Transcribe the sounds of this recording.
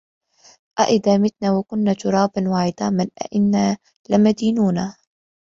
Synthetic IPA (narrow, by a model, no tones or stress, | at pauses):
ʔaʔɪd̪aːmɪt̪naːwakʊnːaːt̪ʊɾˤɑːbnwaːʕɪd̪aːmɪnʔa̰ʔɪnːaː | lɪmad̪iːnuːna